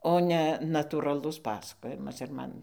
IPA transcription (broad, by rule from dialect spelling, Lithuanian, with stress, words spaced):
oː ˈnʲɛ nɐtuːrɐˈlˠʊs ˈpɑːsɐkoːjɪmɐs ɪr ˈmɐn